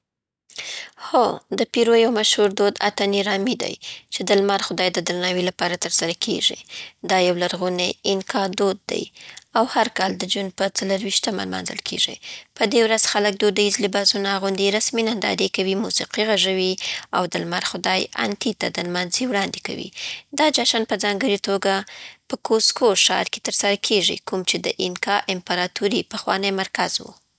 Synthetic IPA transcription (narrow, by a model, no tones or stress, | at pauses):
xod̪əpiɾojawmaʃhuɾd̪od̪a̰t̪aniɾɑmid̪a̰jt͡ʃed̪əlmaɾxʊd̪ɑjd̪əd̪ɾanɑwilapɑɾat̪əɾsaɾakʰḛʐḭd̪ɑjawlaɾɣuneɪnkʰɑɾd̪od̪̚ːa̰jawhaɾkɑld̪əd͡ʒunpət͡saləɾwiʃt̪ama̰lmɑ̰nzə̰lkʰḛʐḭpəd̪ewɾaz̥xalək̚d̪od̪əizlibazunaɣʊnd̪iɾasminand̪ɑ̰ɾekawimusiqiɣaʐawia̰wd̪əlmaɾxʊd̪ɑja̰nt̪it̪ad̪əlmanziwɽɑnd̪eka̰wḭd̪ɑd͡ʒaʃanpəzɑŋɡəɾit̪oɡapəkʰoskʰoʃɑ̰ɾke̥t̪əɾsaɾakʰeʐḭkumt͡ʃed̪əʔɪnkɑʔɪmpəɾɑt̪uɾipəxwɑ̰nəjmaɾkazwṵ